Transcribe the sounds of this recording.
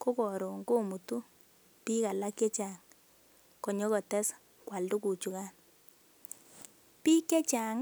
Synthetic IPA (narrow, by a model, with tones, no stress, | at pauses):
ko˦kɔ˨ɾo˨ŋɡo˦˨mu˨tu˦ | pi˦ka˨la˦kjɛ˦t͡ʃa˨ŋ | kɔ˨ɲɔ˦kɔ˨tɛ˦s | kwa˨ldu˦ku˨t͡ʃu˨ka˦n | pi˦kɛ˦t͡ʃa˨ŋ